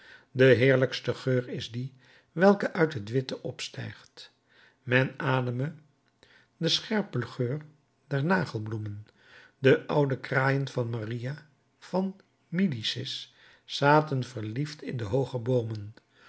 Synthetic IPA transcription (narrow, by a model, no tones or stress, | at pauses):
dəɦɪːɹləkstəχøːɹɪzdi | ʋɛlˠkəʔœɥtɦətʋɪtəʔɔpstɛ̰jχt | mɛnaːdəmə | dəsχɛɹpəlχøːr | dɛɹnaːχəlˠblumən | dəʔʌwdəkraːjənvɑnmarija | v̥ɑn | midisɪs | saːtənvəɹliftʰɪndəɦowχəbowmən